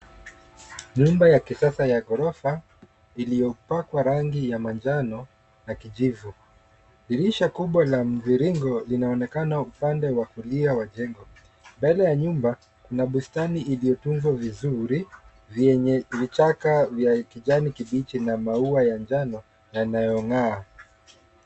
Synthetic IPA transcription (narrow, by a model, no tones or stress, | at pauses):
ɲumbajakisasajaɡɔɾɔfa | ilijɔpakwaɾaŋɡijamand͡ʒanɔ | nakiʄivu | liɾiʃakuɓwalam̩viɾiŋɡɔlinaɔnɛkanaupandɛwakuliawaʄɛŋɡɔ | mbɛlɛjaɲumba | kunaɓustaniʔilijɔtuɱvwavizuɾi | vɛɲɛvit͡ʃakavjakiʄanikiɓit͡ʃinamauajand͡ʒanɔ | nanajɔŋaː